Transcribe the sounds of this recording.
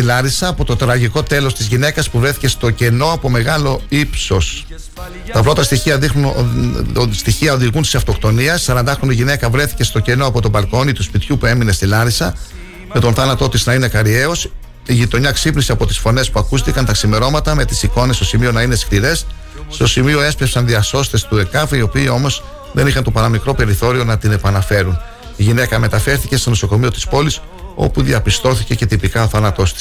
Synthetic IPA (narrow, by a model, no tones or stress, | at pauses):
t̪ilɐɾisɐːpo̞t̪o̞t̪ɾɐʝiko̞t̪e̞lo̞st̪izʝine̞kɐspuvɾe̞θi̥ce̞st̪o̞ce̞no̞ɐpo̞me̞ɣɐlo̞ipso̞s | t̪ɐpɾo̞t̪ɐst̪içiɐðixnun | st̪içiɐo̞ðiɣunt̪i̥sɐft̪o̞kt̪o̞niɐsːɐɾɐnd̪ɐxɾoniʝine̞kɐvɾe̞θi̥ce̞st̪o̞ce̞noɐpo̞t̪o̞bɐlko̞nit̪uspit̪çupue̞mine̞st̪ilɐɾisɐ | me̞t̪o̞nθɐnɐt̪o̞t̪iznɐine̞kɐɾie̞o̞s | iʝit̪o̞ɲɐksipnisiɐpo̞t̪i̥sfo̞ne̞spuɐkust̪ikɐnt̪ɐksime̞ɾo̞mɐt̪ɐme̞t̪i̥siko̞ne̞st̪o̞simio̞nɐine̞skliɾe̞sː | t̪o̞simio̞e̞spɾepsɐnðiɐso̞st̪e̞st̪ue̞kɐfio̞piːo̞mo̞z | ðe̞nixɐnt̪opɐɾɐmikɾo̞pe̞ɾiθo̞ɾio̞nɐt̪ine̞pɐnɐfe̞ɾun | iʝinekɐme̞t̪ɐfe̞ɾθice̞st̪o̞no̞so̞ko̞mio̞t̪i̥spo̞lis | o̞̰puðiɐpist̪o̞θice̞ce̞t̪ipikɐoθɐnɐt̪o̞st̪i̥s